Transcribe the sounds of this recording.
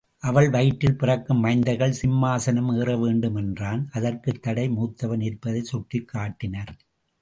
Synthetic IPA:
ʔɐʋɐɭʋɐjʈːɪlpɪrɐkːɯmːɐɪnd̪ɐɣɐɭsɪmːaːsɐnɐmeːrɐʋeːɳɖɯmɛndraːnʔɐðɐrkɯt̪ːɐɽɐɪmuːt̪ːɐʋɐnɪɾpːɐðɐɪsʊʈrɪkʰːaːʈːɪnɐɾ

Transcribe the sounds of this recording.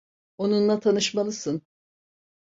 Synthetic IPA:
onunlˠat̪ʰanɯʃmalˠɯsɯn

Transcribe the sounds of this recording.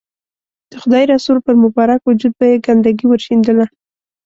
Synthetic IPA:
d̪̥əxʊd̪ɑjɾɑsuɾpəɾmʊbɑɾakwʊd͡ʒud̪̚bajeɡand̪aɡiwəɾʃind̪əla

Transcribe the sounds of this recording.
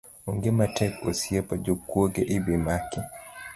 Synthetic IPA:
uŋɡɛmatɛkɔsiɛpad͡ʒukːɔɡɛʔibimaki

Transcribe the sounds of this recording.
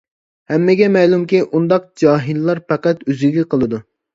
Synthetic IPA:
hɛmːɪɡʲɛmɛlˠumkʲiʔund̪ɑq̚d͡ʒɑːɦillˠɑɾpæqæt̪øziɡʲiqʰəlˠɨd̪u

